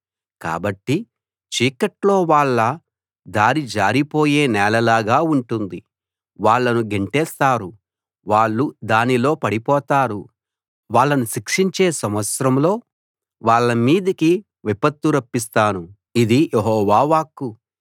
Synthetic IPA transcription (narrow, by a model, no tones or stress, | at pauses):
ka̰ːbɐʈːi | t͡ʃiːkɐʈlo̞ːʋaːɭːɐ | d̪aːɾid͡ʒaːɾipo̞ːje̞ːnɛːlɐlaːɡaːuɳʈund̪i | ʋaːɭːɐnuɡeɳʈɛːst̪aːɾu | ʋaːɭːud̪aːnilo̞ːpɐɽipɔːt̪aːɾu | ʋaːɭːɐnuʃikʂiɲt͡ʃe̞ːsɐmʋɐt̪sɾɐmlo̞ː | ʋaːɭːɐmiːd̪iki | ʋipɐt̪ːuɾɐpːis̬t̪aːnu | id̪ijʔeɦɔːʋaːʋaːkːu